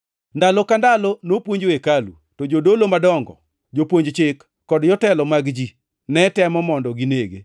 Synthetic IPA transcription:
ndalɔkandalɔnopwoɲd͡ʒwekalṵ | tɔd͡ʒodolomadɔŋɡɔ̰ | d͡ʒopwoɲd͡ʒt͡ʃɪkːɔdjɔtɛlɔmaɡd͡ʒi | nɛtɛmɔmɔndɔɡineɡḛ

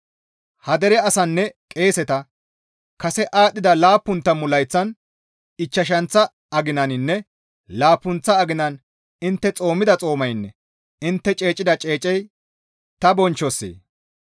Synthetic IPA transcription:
hɐd̪ɛɾɛɐsɐnːɛkʼe̞ːsɛt̪ɐ | kɐsɛʔaːɗːɪd̪ɐlaːpːʊnt̪ːɐmʊlɐjt͡sːɐn | ɪt͡ʃːɐʃ̬ɐnt͡sːɐ | ɐɡɪnɐnɪnːɛ | laːpːʊnt͡sːɐːɡɪnɐn | ɪnt̪ːɛt͡sʼo̞ːmɪd̪ɐt͡sʼo̞ːmɐjnːɛ | ɪnt̪ːɛt͡ʃʼe̞ːt͡ʃʼɪd̪ɐt͡ʃʼe̞ːt͡ʃʼːɛj | t̪ɐbɔnt͡ʃːɔsːḛː

